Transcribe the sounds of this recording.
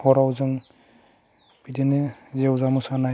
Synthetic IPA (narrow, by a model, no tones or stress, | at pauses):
ɔɾawzɯŋ | b̥idenezewzamusana